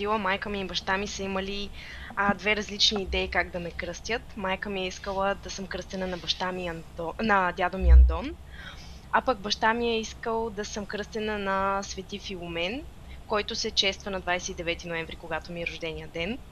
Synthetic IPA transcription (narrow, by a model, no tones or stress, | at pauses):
d̪ilˠəmajkəmibɐʃt̪amisəimɐli | əd̪vɛɾɐzlit͡ʃniːd̪ɛikaɡ̚d̪ɐmɛkɾɤst̪ʲjət̪majkəmiɛiskəlˠəd̪ɐsɤmkɾɤst̪ɛnənɐbɐʃt̪amiɐnɔnɐd̪ʲad̪omiɐnd̪ɔn | apəɡbɐʃt̪amiɛiskəlˠd̪ɐsɤmkɾɤst̪ɛnənɐsvɛt̪ifilˠomɛn | kɔjt̪osɛt͡ʃɛst̪vənɐd̪vajsɛid̪ɛvɛt̪inoɛɱvɾikoɡat̪omiɛɾʊʒd̪ɛniəd̪ɛn